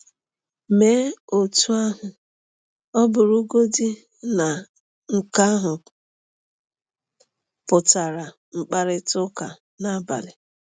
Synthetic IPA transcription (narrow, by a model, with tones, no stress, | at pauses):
me˦o˨tu˦a˦ɦʊ˨ | ɔ˦bʊ˨ɾu˦ɡo˦dɪ˦ | na˨ | ŋ̩˨ka˦ɦʊ˨ | pʊ˨ta˨ɾa˨ | ŋ͡m̩˨k͡pa˨ɾɪ˦tʊ˦ka˨ | na˦ba̰˨lɪ˨